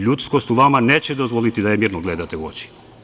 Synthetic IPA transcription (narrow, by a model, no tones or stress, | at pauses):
ʎut̪sko̞st̪uʋamaneːt͡ɕed̪ozʋolit̪id̪ajemiːɾnoɡled̪at̪euo̰t͡ɕi̥